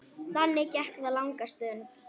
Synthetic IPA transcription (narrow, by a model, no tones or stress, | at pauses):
θanːɪcɛhkðalawŋkast̪œnt̪